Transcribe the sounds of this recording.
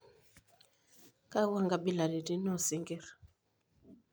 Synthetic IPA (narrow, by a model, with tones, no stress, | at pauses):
ka˦wa˦˨ŋɡa˦bi˦la˨di˨ti˦nɔ˦˨si˨˦ŋɡɛ˦˨ɾ